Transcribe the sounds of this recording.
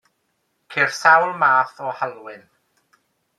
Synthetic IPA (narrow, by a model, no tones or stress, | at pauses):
kʰɪr̥sawlˠmaːθɔhalˠwɪn